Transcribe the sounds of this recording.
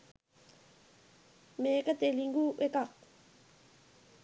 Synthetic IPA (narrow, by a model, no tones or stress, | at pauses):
mekat̪eliŋɡuwekak̚